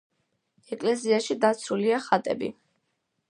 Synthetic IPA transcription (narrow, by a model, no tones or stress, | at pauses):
ɛkʼlɛziaʃid̪at̪sʰuliaχat̪ʼɛ̰bḭ